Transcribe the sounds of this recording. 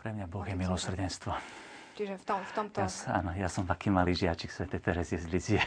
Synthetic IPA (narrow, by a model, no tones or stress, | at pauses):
pɾɛmɲabɔɣjɛmilɔsr̩ɟɛnst̪ʋɔ | t͡ʃiʒɛft̪ɔft̪ɔmt̪jasa̰ːnɔjasɔmvakiːmaliːʒɪat͡ʃiksʋɛt̪ɛt̪ɛɾɛzɪjɛzɟliziɛ